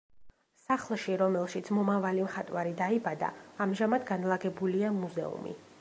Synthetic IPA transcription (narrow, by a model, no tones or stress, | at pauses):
saχlˠʃiɾɔmɛlˠʃit̪sʰmɔmavalimχat̪ʼwaɾid̪aibad̪a̰ːmʒamad̪ɡanlˠaɡɛbuliamuzɛ̰ṵmḭ